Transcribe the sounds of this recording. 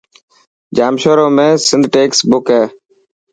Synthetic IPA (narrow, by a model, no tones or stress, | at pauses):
d͡ʒaːmʃoːɾoːmẽːsɪnd̪ʱʈeːksbʊkɦeː